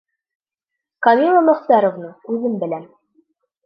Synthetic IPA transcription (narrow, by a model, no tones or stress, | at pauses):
kɑmʲilˠamɵ̆χt̪æɾŏvnɤʉðɘmbɘ̆læn